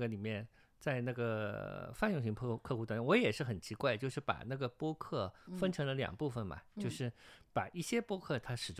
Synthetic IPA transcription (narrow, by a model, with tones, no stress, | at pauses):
ɡə˩li˨˩mjɛ˥˧n | t͡sa˥˧ɪna˥˩ɡə˩fa˥˧njʊ˥˩ŋɕ̬i˧˥˧kʰɤ˥˧xu˧˥t̪wa˥˩˥wɔ˧˥jɛ˨˩ʂɻ̩˥˩xə˨˩nt͡ɕʰi˧˥kwa˥˧ɪt͡ɕjo˥˧ʊʂɻ̩˥˩pa̰˨˩na˥˩ɡə˩pwɔ˥kʰɤ˥˩fə˥nʈ͡ʂʰɤ˧˥ŋlə˧ljɑ̰˨˩ŋpu˥˩fə˨˩nmɐ̰˩t͡ɕjo˥˧ʊʂɻ̩˥˩pa˨˩i˥˩ɕjɛ˥pwɔ˥kʰɤ˥˩t̪ʰa˥ʂɻ̩˨˩ʈ͡ʂ